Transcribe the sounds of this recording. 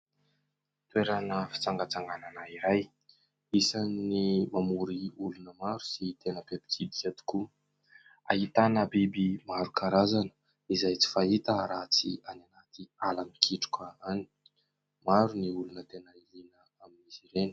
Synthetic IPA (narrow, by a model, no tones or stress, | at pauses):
t̪weɾanəfi̥t͡saŋɡat͡saŋɡananaiɾaj | isanimamuɾiulunəmaɾu̥sit̪enəpepi̥kʰid̪izat̪u̥ku | a̰ɦit̪anəbibimaɾukʰaɾazanə̥ | izajt͡si̥fait̪əɾat͡siananat̪ialamikʰiʈ͡ʂu̥kaani̥ | maɾuniulunət̪enəilinə | aminiziɾeni̥